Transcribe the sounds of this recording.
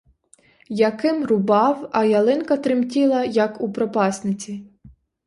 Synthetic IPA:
jɐkɪmrʊbɑwɐjɐlˠɪnkɐt̪ɾɪmtʲilˠɐjɐkupɾɔpɑsnɪt͡sʲi

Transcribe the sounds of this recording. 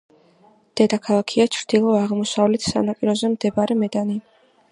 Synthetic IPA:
d̪̥ɛd̪akʰalˠakʰiat͡ʃʰɾd̪̥ilˠɔaʁmɔsavlɛt̪ʰsa̰napʼiɾɔzɛmd̪ɛbaɾɛmɛd̪ani

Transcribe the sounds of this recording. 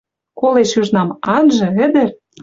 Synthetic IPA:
koleʃyʒnɑmɑnʒɤ̆ɘ̆d̪ɘ̆r

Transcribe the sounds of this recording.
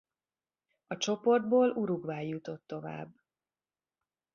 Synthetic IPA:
ɒt͡ʃo̞po̞rd̪boːluɾuɡvaːjːut̪o̞t̪ːo̞va̰ːbː

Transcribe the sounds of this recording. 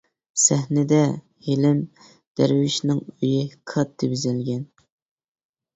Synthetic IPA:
sæhnɪd̪ɛ | helɪm | d̪̥æɾwɪʃnɪŋøjɪkʰɑt̪ʰːɨbyzɪlɡʲɛn

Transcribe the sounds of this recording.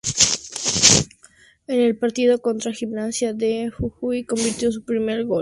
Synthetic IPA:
e̞ne̞lpaɾt̪iðo̞ko̞nt̪ɾaximnasjaðexuxujko̞mbiɾt̪jo̞s̬upɾime̞ɾɣo̞

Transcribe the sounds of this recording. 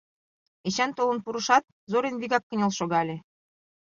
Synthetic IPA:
eɕænt̪olɤ̆npuɾɤ̆ʃɑt̪̚ | zoɾenβiɣɑkːɤ̆nʲɑlʃoɣɑlʲĕ

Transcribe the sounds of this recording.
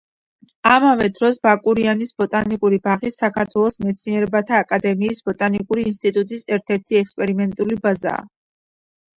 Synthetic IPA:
amavɛd̪ɾɔsbakʼuɾianisbɔt̪ʼanikʼuɾibaʁisːakʰaɾt̪ʰwɛlˠɔsmɛt̪sʰniɛɾɛbat̪ʰaːkʼad̪ɛmiːsbɔt̪ʼanikʼuɾiːnst̪ʼit̪ʼut̪ʼisɛɾt̪ʰɛɾt̪ʰiɛkspʼɛɾimɛnt̪ʼulibaza̰ː

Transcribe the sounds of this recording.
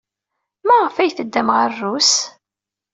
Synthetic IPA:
mæʁəfæjθəd̪ːæmʁərːus

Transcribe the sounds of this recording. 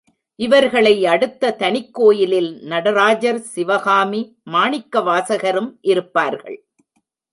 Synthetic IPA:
ʔɪʋɐɾɣɐɭɐɪɐɽɯt̪ːɐt̪ɐnɪkːoːjɪlɪlnɐɽɐɾaːd͡ʒɐɾsɪʋɐɣaːmi | maːɳɪkːɐʋaːsɐɣɐɾɯmʔɪɾɯpːaːɾɣɐ̰ɭ

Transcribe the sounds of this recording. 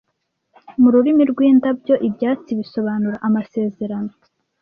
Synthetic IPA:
muɾuɾimiɾɡwiːndabɟo̞ʔibjaːt͡siβiso̞βaːnuɾaʔamase̞ːze̞ɾano̞

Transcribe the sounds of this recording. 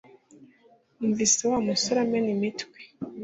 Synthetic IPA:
umvisiwamusoɾamenimitkwi̥

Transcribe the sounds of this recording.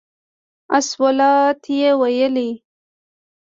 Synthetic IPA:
aswalɑt̪ʰjewajəli

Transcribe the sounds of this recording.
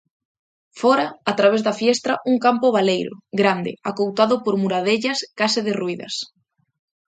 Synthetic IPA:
fɔɾɐat̪ɾaβ̞ezðafjɛst̪ɾɐʔuŋkampʊβalejɾʊ̰ɡɾand̪ɪ̰akowt̪aðʊpoɾmuɾaðeʎɐskasɪðɪruiðɐ̰s

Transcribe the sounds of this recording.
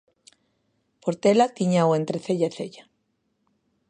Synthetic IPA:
poɾt̪elat̪iɲawent̪ɾeθeʎaeθe̞ʎa

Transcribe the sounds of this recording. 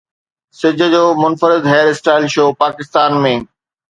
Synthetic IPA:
sɪd͡ʑʱə̆d͡ʑoːmʊnfəɾɪd̪ɦɛːɾɪsʈaːɪlʃoːpaːkɪst̪aːnmẽː

